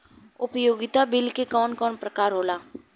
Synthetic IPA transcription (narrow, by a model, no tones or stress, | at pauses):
ʊpjoːɡɪt̪abɪlkekɔːnkɔːnpɾəkaːɾɦoːlaː